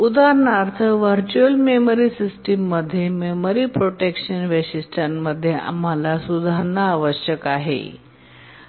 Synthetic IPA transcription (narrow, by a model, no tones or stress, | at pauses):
ud̪ʱaɾnaɾt̪ʰəʋəɾt͡ɕuəlmeməɾisisʈemːəd̪ʱːjememəɾipɾoʈekʂənʋeɕisʈʰanːəd̪ʱːjea̰m̤alasud̪ʱaɾəɳaːʋəɕjəkaɦḛ